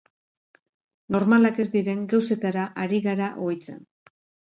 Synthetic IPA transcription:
no̞ɾmalake̞zd̪iɾe̞ŋɡawse̞t̪aɾaʔaɾiɣaɾaʔojt͡sḛn

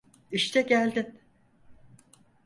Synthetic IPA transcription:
iʃt̪ʰɛɟælʲd̪in

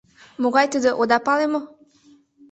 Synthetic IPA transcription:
moɣɑjt̪əd̪əʔod̪ɑpɑlemo

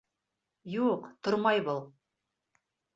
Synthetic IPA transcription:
juqt̪oɾmɑjbolˠ

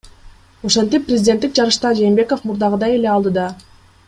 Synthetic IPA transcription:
o̞ʃent̪ipːrʲɪzʲdʲet̪ːik̚d͡ʒɑɾɯʃt̪ɑd͡ʒe̞ːmbe̞ko̞fmuɾd̪ɑʁɯd̪ɑje̞le̞ɑlˠd̪ɯd̪ɑ

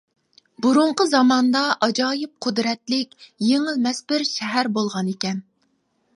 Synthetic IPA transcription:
buɾuɴqəzɑmɑnd̪ɑʔɑd͡ʒɑːjɪp̚qʰʊd̪ɾɛt̪lɪkʲjeŋɪlmɛsbɪɾʃɛɦæɾbolˠʁɑnekʲɛn

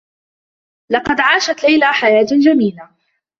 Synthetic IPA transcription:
lɑqɑd̪ʕaːʃat̪lajlaːħajaːt̪d͡ʒamiːla

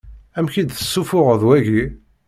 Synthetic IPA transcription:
æmçid̪θə̥sːufʊʁəðwæʝi

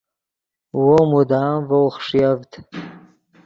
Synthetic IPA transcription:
womudaːmvawχʂjavtʰ

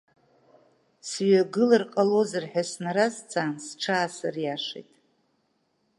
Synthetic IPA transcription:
sɥaɡɨlɨrqʼalozɨrħᶣasnaɾazt͡sʰʼaːnsʈ͡ʂʰaːsarjaʂḛjtʼ

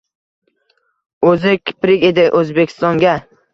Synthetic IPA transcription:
ɵzɪkʲʰɪ̥pɾɪkʲe̞d̪ɪʔɵzbekʲʰɪ̥st̪ɒŋɡʲa

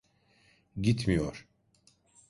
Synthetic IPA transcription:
ɟit̪mijoɾ̥

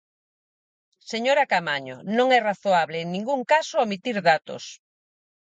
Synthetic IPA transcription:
seɲoɾakamaɲo̰nõŋɛraθoaβleːŋnĩŋɡuŋkasoamit̪iɾðat̪o̰s

